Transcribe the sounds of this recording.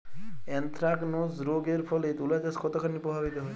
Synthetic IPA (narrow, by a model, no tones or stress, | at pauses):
ɛnt̪ɾaɡnozɾoɡeɾpʰɔlet̪ulad͡ʒaskʰɔt̪ɔkʰanːipɾɔbʱabit̪ɔɦɔj